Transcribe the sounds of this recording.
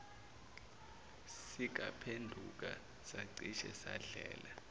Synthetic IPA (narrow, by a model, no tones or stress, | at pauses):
sik̬apʰendʱuk̬a | saǀiʃɛsaɮɛːla